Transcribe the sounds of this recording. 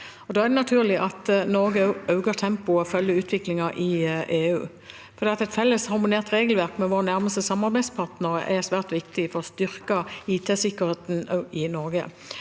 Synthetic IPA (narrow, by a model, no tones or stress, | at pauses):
ɔd̪oːæʁd̪ɛnɑt̪ʰʉːʁlɪʔɑt̪nɔɾɡəɑʉɡəʁt̪ʰɛmpʊɔfœljəʉːt̪ʰʋɪklɪŋɑʔɪʔeːʉː | fɔɾd̪iːɑt̪ɛt̪fɛlːəshɑɾmʊneːʁt̪ɾeːɡəlʋæʁkmɛʋoːʁənæʁməst̪əsɑmːɑɾbæɪspʰɑʁt̪nəʁə̰ʔɛʁsʋæːʁt̪ʋɪkt̪ɪfɔɾɔst̪ʏɾkɑiːt̪ʰeːsɪkːəɾheːt̪nɪnɔɾɡə̰